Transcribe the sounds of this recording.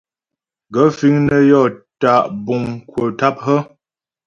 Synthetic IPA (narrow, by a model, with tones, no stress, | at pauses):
ɡə˨˦fi˦ŋnə˦jɔ˦˨ta˨ʔbu˨ŋkwə˨ta˦p̚ɦə˦